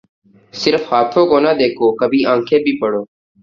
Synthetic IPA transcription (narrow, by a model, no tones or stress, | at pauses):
sɪɾfhaːt̪ʰoːkoːnad̪eːkʰoːkəbʱiːʔãːŋkʰẽːbʱiːpəɽoː